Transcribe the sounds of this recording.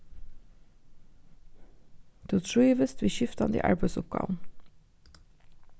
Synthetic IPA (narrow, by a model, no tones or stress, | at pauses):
d̪̥uːt̪ʰɹuːʋəst̪ʋiːʃʏft̪ɑnd̪ḭːʔɑ̰ɹbesʊp̚ɡɑ̰ːʋn̩